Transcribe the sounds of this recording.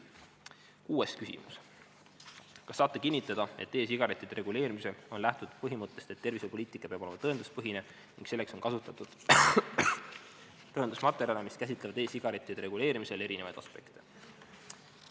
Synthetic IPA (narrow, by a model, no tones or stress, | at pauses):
kuːeskysḭmṵs | kɑsːɑːt̪ːˑekinʲːit̪ˑːɑd̪̥ɑe̞̰t̪ːe̞ːs̬iɡ̥ɑɾet̪ːˑid̪̥ɾeɡule̞ːɾimise̞lo̞nlæht̪ud̪̥pɤɦimɤt̪ːˑe̞st̪e̞t̪ːe̞rvisepo̞liːt̪ˑikːˑɑpeɑbo̞le̞mɑt̪ɤend̪̥uspɤɦine | nḭŋɡ̥se̞lːekso̞nkɑsut̪ːˑɑt̪ːˑud̪̥ | t̪ɤenusmɑt̪ˑːe̞ɾjɑlemiskæsʲit̪ˑlevɑd̪e̞ːsiɡ̥ɑɾet̪ːˑid̪̥eɾe̞ɡule̞ːɾimise̞le̞ɾine̞vɑ̰jd̪̥ɑ̰spe̞̰kt̪e